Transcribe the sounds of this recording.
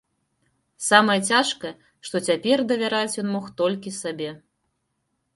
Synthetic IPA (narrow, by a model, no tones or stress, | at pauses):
samɐjɐt͡sʲaʂkɐjɐ | ʂt̪ɔt͡sʲapʲɛrd̪ɐvʲaɾat͡sʲjɔnmɔxt̪ɔlʲkʲisabʲɛ